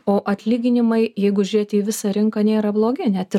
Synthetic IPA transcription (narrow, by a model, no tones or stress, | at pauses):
oːʔɐt̪ʲlʲiːɡʲɪnʲɪmɐɪjɛɪɡʊʒʲʊɾʲeːt̪ʲiʋʲɪsɐɾʲɪŋkɐnʲeːɾɐblˠoːɡʲɪnʲɛt̪ɪ